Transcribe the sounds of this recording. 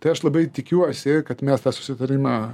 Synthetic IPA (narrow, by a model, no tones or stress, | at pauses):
t̪ɐɪɐʃlˠɐbɐɪt̪ʲɪkʲuɔsʲɪkɐt̪mʲɛst̪ɑːsʊ̥sʲɪt̪ɐɾʲɪmɑː